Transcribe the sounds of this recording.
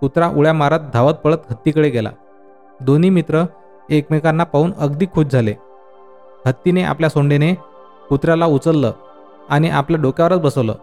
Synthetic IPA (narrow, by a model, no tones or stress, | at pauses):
kut̪ɾaʔuɭjamaɾat̪̚d̪ʱaʋət̪̚pəɭət̪ɦət̪ːiːkəɽeɡɛla̰ | d̪oniːmit̪ɾə | ekmekanːapauːnəɡd̪iːkʰːuːbd͡zʱale | hət̪ːineʔa̰pljasoɳɖene | kut̪ɾjalaut͡səlːə̰ː | añiʔapljaɖokjaʋəɾət͡sbəsəʋlə̰ː